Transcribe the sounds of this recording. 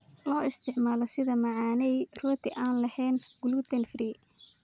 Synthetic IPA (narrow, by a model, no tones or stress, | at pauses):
lɔːɪst̪ʰɪʕmaːlɔsɪðɐmɑʕɑːnɛjrɔːt̪ʰɪʔaːnlɐhɛːnɡʊlut̪ʰɐnfriː